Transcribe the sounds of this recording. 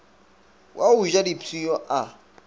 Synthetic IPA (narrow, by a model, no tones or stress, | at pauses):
wʔauʒadipʰijɔʔa